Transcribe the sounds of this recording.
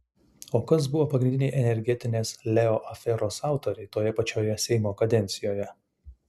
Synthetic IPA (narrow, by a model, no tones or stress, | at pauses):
oːkɐs̬bʊʋoːpɐɡɾʲɪnd̪ʲɪnʲɛɪʔɛnʲɛɾʲɡʲɛt̪ʲɪnʲeːslʲɛɔʔɐfʲɛɾoːsɑˑʊt̪oːɾʲɛɪt̪oːjɛpɐt͡ʃʲoːjɛsʲɛɪmoːkɐd̪ʲɛnʲt̪sʲɪjoːjɛ